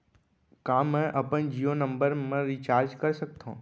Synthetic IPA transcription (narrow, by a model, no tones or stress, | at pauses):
kãːmɛ̃ʔɐpənd͡ʒiːonə̃mbəɾmẽɾit͡ʃaːɾd͡ʒkɐɾsək̚t̪õ̰ː